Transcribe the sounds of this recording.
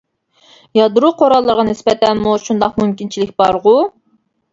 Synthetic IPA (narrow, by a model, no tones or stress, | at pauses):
jɑd̪ɾuqʰoɾɑlˠːəɾʁɑnɪspɛt̪ʰɛnmuʃund̪ɑqmumkʲint͡ʃʰilɪkʲbɑɾʁʊ